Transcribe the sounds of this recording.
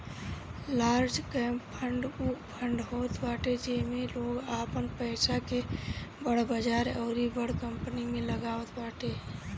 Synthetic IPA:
laːɾd͡ʒkəmpʰəɳɖupʰəɳɖɦoːt̪baːʈed͡ʒɛmeloːɡapənpəɪsakebəɽbəd͡ʒaːɾəʊɾibəɽkəmpənimeləɡaːot̪baːʈe

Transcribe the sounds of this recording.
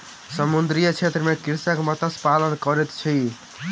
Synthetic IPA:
səmund̪ɾijət͡ʃʰet̪ɾəmekiɾsakmʌt̪əspalənkʌɾet̪t͡ʃʰi

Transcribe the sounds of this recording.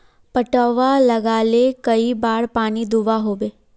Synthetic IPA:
pəʈəʋaləɡaːlekəibaːɽpaːnid̪uʋaɦoːʋeː

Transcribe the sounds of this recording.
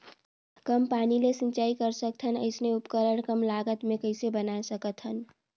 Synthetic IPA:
kəmpanilesə̃nt͡ʃaikəɾsək̚t̪ʰənə̰ɪsneupkəɾəɽ̃kəmlaɡət̪mekəɪsebənasəkət̪ɦən

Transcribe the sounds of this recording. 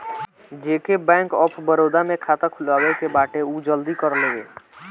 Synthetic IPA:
d͡ʒeːkebɛ̃ːŋkɔːpʰbəɾoːd̪amẽkʰaːt̪akʰʊlaːwekebaːʈeuːd͡ʒəld̪ikəɾleːɡeː

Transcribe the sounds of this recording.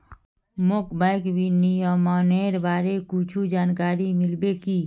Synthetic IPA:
mʊkbaːɪkbinijɔmaːneːɾbaːɾekut͡ʃʰud͡ʒaːnkaːɾimɪlbekiː

